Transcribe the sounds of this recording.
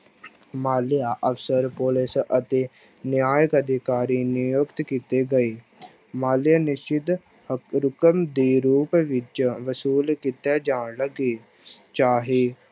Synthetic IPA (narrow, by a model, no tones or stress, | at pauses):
maːlɪjaːʔəfsəɾpoːlɪsət̪eː | njaːjəkəd̪ʱɪkaːɾiːnɪjoːkt̪kiːt̪eːɡəeː | maːlɪjaːnɪʃɪd̪ | ɾʊkəmd̪iːɾuːpʋɪt͡ʃʋəsuːlkiːt̪aːd͡ʒaːɳləɡiː | t͡ʃaːɦeː